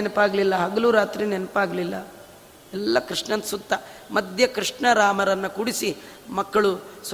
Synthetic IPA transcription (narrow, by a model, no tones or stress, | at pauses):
nɐpaːɡlilːɐɦɐɡɐluɾaːt̪ɾinenɐpaːɡɐlilːɐ | ɛlːɐkɾiʂɳɐnsut̪ːɐmɐd̪ʱjɐkɾiʂɳɐɾaːmɐɾɐnːɐkuɽisi | mɐkːɐɭus